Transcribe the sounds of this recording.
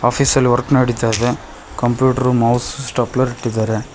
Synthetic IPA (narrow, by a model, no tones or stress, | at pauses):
aːpʰiːsɐlːiʋɐɾknɐɽit̪aːjðe | kɐmpjuːʈɐɾumɐwsusʈaːplɐɾiʈːid̪aːɾe